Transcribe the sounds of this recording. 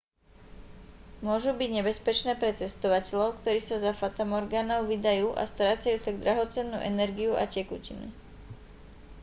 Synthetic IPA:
mʊɔʒubiɟɲɛbɛspɛt͡ʃnɛːpɾɛt͡sɛst̪ɔʋacɛʎɔʊkt̪ɔɾiːsazafat̪amɔɾɡaːnɔʊʋid̪ajuːʔa̰st̪ɾaːt͡sajuːt̪aɡd̪ɾaɦɔt͡sɛnːṵːʔɛnɛɾɡiuʔa̰cɛkucḭnṵ

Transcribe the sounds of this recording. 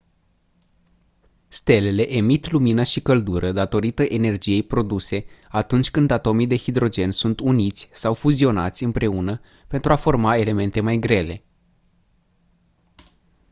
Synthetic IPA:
st̪e̞le̞le̞ʔe̞mit̪luminəʃikəld̪uɾʔəd̪at̪o̞ɾit̪əʔe̞ne̞rd͡ʒije̞jpɾo̞d̪use̞at̪unt͡ʃʲkɨnd̪at̪o̞mid̪e̞hid̪ɾo̞d͡ʒe̞nsunt̪unit̪sʲsawfuzio̞na̰t̪sʲɨmpɾe̞unə | pe̞nt̪ɾuafo̞rmae̞le̞me̞nt̪e̞majɡɾe̞le̞

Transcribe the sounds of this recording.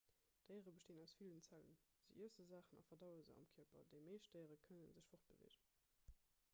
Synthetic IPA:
d̥əɪəʁəbəʃteːnæʊsfilənt͡sælə̰nz̥ḭʔiəsəzaːχənɑ̰fɐdɑʊəzə̰ɑ̰mkʰiɐpɐ̰deɪmeɪʃt̚d̥əɪəʁəkʰənənzəɕfoχt̚b̥əvḛːʒən

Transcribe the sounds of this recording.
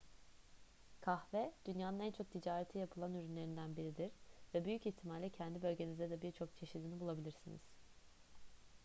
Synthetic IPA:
kʰaxvɛd̪̥ynjaːnɯnænt͡ʃʰo̞k̚t̪ʰid͡ʒaːɾet̪ʰijapʰɯlˠanyɾynlʲe̞ɾind̪ænbiɾid̪iɾ̥vɛbyjyciçt̪ʰimalʲɛcʰɛnd̪ibø̞lʲɟe̞nizd̪ɛd̪ɛbiɾt͡ʃʰo̞k̚t͡ʃʰe̞ʃid̪inibulˠabilʲiɾsinḭz̥

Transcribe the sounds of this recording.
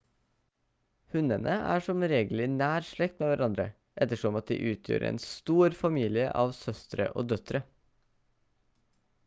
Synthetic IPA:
hʉnənʔəʔæ̰ːʂɔmɾeːɡl̩ɪnæːɾʂɭɛk̚t̪meːʋæɾʔɑnd̪ɾə̰ | ʔɛt̪ːəʂɔmɑt̪̚d̪ḭːʔʉːt̪ʰjø̰ːɾḛːnst̪uːɾfɑmiːlɪəʔɑːʋsœst̪ɾə̰ʔo̰ːd̪œt̪ɾə

